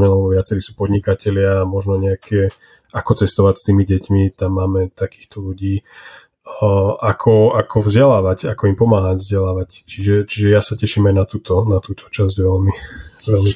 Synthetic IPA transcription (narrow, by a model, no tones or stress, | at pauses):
ɲɛlɛɛbɔʋɪat͡sɛɾiːsuːpɔd̪ɲikacɛlɪamɔʒnɔɲɛakʰɛ | ʔakɔt͡sɛst̪ɔʋacst̪iːmiɟɛcmit̪amːaːmɛt̪akiːxt̪ɔluɟiː | akʰɔakʰɔvzɟɛlaːʋacakɔimpɔmaːɦaɟvzɟɛlaːʋact͡ʃiʒɛt͡ʃiʒɛjasacɛʃimajnat̪uːt̪ɔnat̪uːt̪ʰɔ̥t͡ʃazɟʋɛlmiʋɛlmi